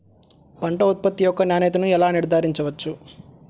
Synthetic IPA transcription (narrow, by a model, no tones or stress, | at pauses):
pɐɳʈɐut̪̚pɐt̪ːijɔkːɐnjaːnɛːt̪ɐnuɛlaːniɾd̪ʱaːɾiɲt͡ʃɐʋɐt͡ʃːu